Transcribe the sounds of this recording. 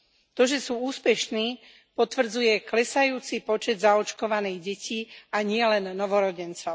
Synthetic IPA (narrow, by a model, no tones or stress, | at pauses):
t̪ɔʒɛsuːuːspɛʃniː | pɔt̪ʋr̩d͡zujɛklɛsajuːt͡sipɔt͡ʃɛd̪zaɔt͡ʃkɔʋaniːɣɟɛciːaɲɪɛlɛnːɔʋɔɾɔɟɛnt͡sɔʊ